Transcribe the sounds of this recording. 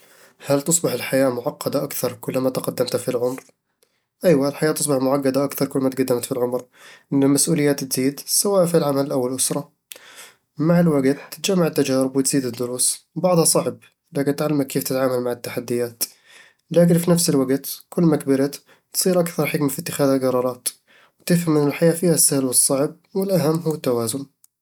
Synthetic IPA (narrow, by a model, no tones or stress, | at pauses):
hælt̪osˤbəħəlħajamʊʕɑqːɑd̪aʔakt̪ɑɾˤkʊlːmat̪qɑd̪ːəmt̪hafilʕʊmɾ | ʔæjwalħajat̪əsˤbəħmʊʕaqːɑd̪aʔakt̪ɑɾˤkʊlːmat̪ɡad̪ːəmt̪filʕʊmɾ | ʔənːəlmæsʔuləjːæt̪t̪zid̪sæwaʔfilʕamæləlʔawːalʔʊsɾˤɑ | maʕəlwaɡt̪ːə̥t̪ʒamːaʕət̪ːæʒæɾəbwət̪z̥id̪əd̪ːʊɾuːsbɑʕd̪ˤhɑsˤɑʕb̚ | laːkɪnt̪ʕalːamakːeːft̪ɪt̪ʕaːmalmaʕɪt̪ːaħad̪ːɪjaːt̪ | laːk̬ɪnfinafsɪlwaɡt̪kʊlːmakbɪɾat̪ | t̪sˤiːɾʔakθɑɾˤħɪkmafit̪ːɪxaːðalɡɑɾˤɑːɾˤɑːt̪ | wt̪ɪfhamɪnɪlħajaːfiːhasːahɪlwɨsˤːɑʕb̚wɪlʔaɦamːɦuwːat̪ːawaːzʊn